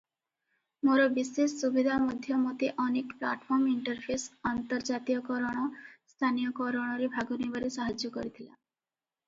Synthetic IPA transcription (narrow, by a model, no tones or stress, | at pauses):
moɾɔbisesːubid̪ʱamɔd̪ʱjɔmɔt̪eʔɔnekpla̰ʈpʰɔɾmiɳʈɔɾpʰesɔnt̪ɔɾd͡ʒat̪ijɔkɔɾɔɽ̃ɔst̪ʰanijɔkɔɾɔɽ̃ɔɾebʱaɡɔnibaɾesaɦad͡ʒjɔkɔ̰ɾit̪ʰila̰